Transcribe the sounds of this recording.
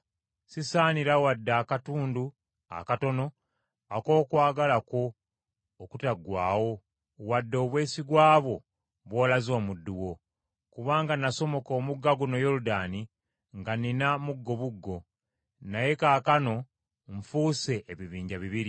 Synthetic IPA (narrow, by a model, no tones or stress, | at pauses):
sisaːniɾawadːaːkatuːndu | a̰kato̞no̞ | ako̞ːkwaːɡalako̞ː | kutaɡwaːwo̞ | wadːo̞ːβwe̞ːsiɡwaːβo̞ | βwoːlazo̞ːmudːuwo̞ | kuβaːŋɡanaso̞mo̞koːmuɡːaɡuno̞joɾudaːni | ŋɡaninamuɡːo̞βuɡːo̞ | naje̞kaːkano̞ | ɱfuːse̞ʔeβiβiːɲɟaβiβiɾi